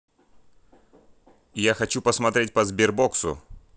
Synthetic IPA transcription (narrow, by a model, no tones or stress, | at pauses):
jaxɐt͡ɕupəsmɐt̪ɾʲet̚ʲpəzbʲɪrboksʊ̰